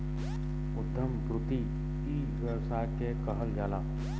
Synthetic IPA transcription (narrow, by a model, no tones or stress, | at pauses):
ʊd̪ʱːəmkɾʊt̪i | iː | ʋəɾsaːkekɐɦəlɡʱaːlaː